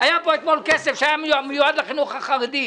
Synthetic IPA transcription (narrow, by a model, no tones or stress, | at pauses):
ajapoet̪molkesefʃeajammejuad̪leχinuχhaχaʁed̪i